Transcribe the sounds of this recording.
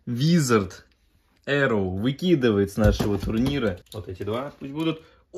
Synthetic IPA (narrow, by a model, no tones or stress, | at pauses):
vʲizɐrt̪ | ɛɾovɨkʲid̪ɨvəjɪt̪snaʂəʋət̪ʊrnʲiɾəʋot̪ɛtʲɪd̪vapusʲtʲbud̪ʊt̪